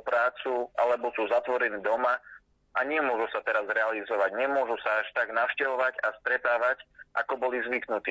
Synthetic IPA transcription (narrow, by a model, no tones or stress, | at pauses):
pɾaːt͡sua̰lɛbɔsuːzat̪ʋɔɾɛniːd̪ɔma | ʔaɲɪɛmʊɔʒusat̪ɛɾazɾɛalizɔʋaɟɲɛmʊɔʒusaaʃt̪aɡnaʊʃcɛʋɔʋaɟast̪ɾɛt̪aːʋacʔa̰kɔbɔlizʋiknut̪iː